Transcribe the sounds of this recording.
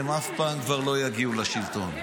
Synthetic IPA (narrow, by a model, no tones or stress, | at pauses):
emafpaːmkvaʁlo̞jaɡiulaʃilt̪o̞̰n